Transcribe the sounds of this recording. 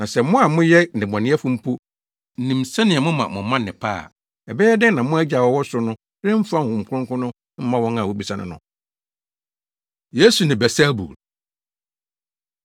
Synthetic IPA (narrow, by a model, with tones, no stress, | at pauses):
nã˨sɛ˨˦mʊ̃˦a˨mʊ̃˦jɛ˦n̩˨ɪ̃˨m˨ã˨nɪ̃˦ɛ˦fʊ̃˦m̩˦pʰo˦ | n̩˨nĩ˨m̩sɛ̃˦nɪ̃˨ɛ˨mʊ̃˦mã̰˨mʊ̃˨˦mã˦nɪ̃˨pʰa̰ː˦˨ | ɛ˨bɛ˦jɛ˦dɛ̃˦nã˨mʊ̃˦æ˦d͡ʑa˨wɔ˦wɔ˦sʊ˦nʊ̃˦ | ɾɪ̃˦m̩˦fã˦ŋ̩˨hʊ̃˨m̩˨kʰʊ˦ʊ̃˦ŋ˦kʊ̃˦nʊ̃˦ | m̩˦mã˦wɔ̃˦ŋã˨o˦bi˨sa˨nʊ̰̃˨nʊ̰̃˨ | je˦su˨nɪ̃˨bɛ˨sa˦bṵ˨ɾ